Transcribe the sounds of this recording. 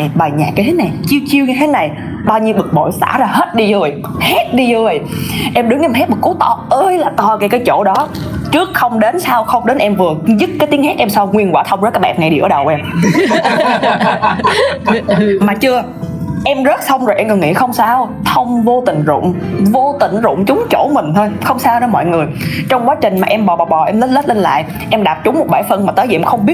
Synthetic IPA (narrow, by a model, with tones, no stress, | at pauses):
jɓaː˨˩jɲa̰ː˨˩k̚ːjt̪ʰe˨˦na˨˩jt͡ɕi˧əwt͡ɕi˧əwɲɨ˧t̪ʰe˨˦na˨˩j | ɓaː˧wɲi˧wɓɨ˨˩k̚mo̰˧˨jsa̰ː˧˩˥zaː˧˩heː˦˥t̚ɗi˧zɨ˨˩əj | he˦˥t̚ɗi˧zɨ˧˩ə˩jʔɛ˧mɗɨ˨˦ŋʔɛ˧˩mhɛ˦˥t̚ɓɨ˨˩kːu˨˦t̪ɔ˧ʔəː˧jlaː˨˩t̪ɔ˧ka˧˩kaː˨˦jt͡ɕo̰˧˩˨ɗɔ˨˦ | t͡ɕɨ˦˥ək̚xə˧wŋ͡mɗe˨˦nsaː˧wxə˧wŋ͡mɗe˨˦nʔɛ˧mvɨ˨˩əzɨ˦˥t̚kaː˨˦jt̪i˨˦ŋhɛ˦˥t̚ʔɛ˧msaː˧wŋwi˧ənkwaː˧˩t̪ʰə˧ŋ͡mzːkːaː˨˦˥ɓa̰˧˩ŋa˧˩jɗi˧˩ʔə̰ː˧˩ɗə˨˩wʔɛ˧ | maː˨˩t͡ɕɨ˧ə | ʔɛ˧mzə˦˥t̚sʰə˧wŋ͡mzo˨˩ʔɛ˧mɨː˨˩ŋḭ˧˥xə˧wŋ͡msaː˧w | t̪ʰə˧wŋ͡mvo˧t̪ï˨˩ŋ̟zʊ̰˧˨ŋ͡mvo˧t̪ï˨˩ŋ̟zʊ̰˧˨ŋ͡mt͡ɕʊ˨˦ŋ͡mt͡ɕo̰˧˩mï˨˩ŋ̟t̪ʰo˧jxə˧wŋ͡msaː˧wnəː˧˦mɔ̰˧˨jŋɨ˨˩əjt͡ɕɔ˧wŋ͡mkwaː˨˦t͡ɕï˨˩ŋ̟maː˨˩ʔɛ˧mɓɔ˨˩ɓɔː˨˩ɓɔ˨˩ʔɛ˧mlə˦˥t̚lə˦˥t̚le˧nla̰ː˧˨jʔ | ʔɛ˧mɗaː˨˩p̚t͡ɕʊ˨˦ŋ͡mmo˨˩ɓaː˧˩jfə˧nmaː˨˩t̪əː˨˦jvi˨ʔɛ˧mxə˧wŋ͡mɓi˦˥ə